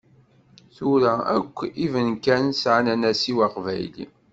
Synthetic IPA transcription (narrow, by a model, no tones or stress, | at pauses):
θʊɾææ̰kʷːivənkænsʕanænæsiwaqvæjlḭ